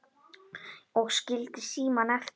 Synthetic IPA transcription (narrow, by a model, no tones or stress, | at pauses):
ɔɣscɪlt̪ɪsiːmanɛf